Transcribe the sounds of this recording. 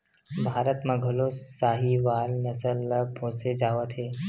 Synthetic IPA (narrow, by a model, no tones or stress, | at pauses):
bʱaːɾət̪mãɡʱʊlosaːɦiʋaːlnəsəlːəpʰõːsed͡ʒaːʋət̪ʰɦeː